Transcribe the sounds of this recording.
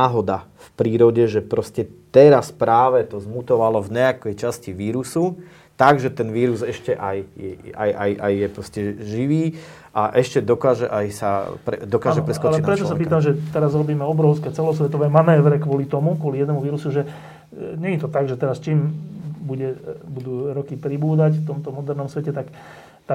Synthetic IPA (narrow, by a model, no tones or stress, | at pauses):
aːɦɔd̪afpɾiːɾɔɟɛʒɛpɾɔscɛt̪ɛɾaspɾaːʋɛt̪ɔzmut̪ɔʋalɔvɲɛakɛjt͡ʃasciʋiːɾusu | t̪aɡʒɛt̪ɛnʋiːɾuzɛʃcɛʔajjɛa̰ja̰jʔa̰jːɛpɾɔscɛʒiʋiː | ʔaʔɛʃcɛd̪ɔkaːʒɛʔajsapɾɛ̰d̪ɔkaːʒɛpɾɛskɔalt͡ʃɛp̪pɾɛt̪ɔsapiːt̪amʒɛt̪ɛɾazɾɔbiːmɛɔbɾɔʊskɛːt͡sɛlɔsʋɛt̪ɔʋɛːmanɛːʋɾɛkʋɔlit̪ɔmukwɔlijɛd̪nɛmuʋiːɾusuʒɛ | ɲɛɲit̪ɔt̪aɡʒɛt̪ɛɾast͡ʃiːmbuɟɛbud̪uːɾɔkipɾibuːd̪acft̪ɔmt̪ɔmɔd̪ɛɾnɔmsʋɛcɛt̪ak | t̪a